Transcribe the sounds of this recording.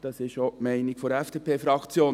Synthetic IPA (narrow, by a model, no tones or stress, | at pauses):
d̥ɑsɪʃomɛɪnɪkfɔɾɛfd̥eːpʰeːfɾɑkt͡sjoː